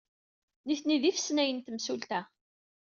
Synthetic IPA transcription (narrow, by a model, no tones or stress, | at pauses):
niθniðifə̥snæjənt̪əmsult̪æ